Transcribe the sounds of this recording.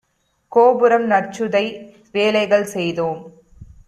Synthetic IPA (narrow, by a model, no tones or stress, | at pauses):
koːbɯɾɐmnɐrt͡ʃɯðɐɪ | ʋeːlɐɪɣɐɭsɛjðoːm